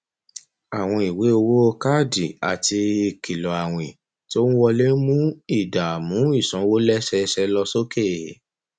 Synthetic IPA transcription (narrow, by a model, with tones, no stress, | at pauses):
a˨w̃ɔ̃˧i˨we˨˦o˧wo˦o˧ka˦˨di˨a˨ti˧i˨ki˨lɔ˨a˨w̃ĩ˨ | ti˦o˦nũ˦wɔ˧le˦mũ˦i˦˨da˨mũ˨˦i˦˨sɔ̃˨˧˦wo˦lɛ˦ʃɛ˧ʃɛ˧lɔ˧so˦ke˦˨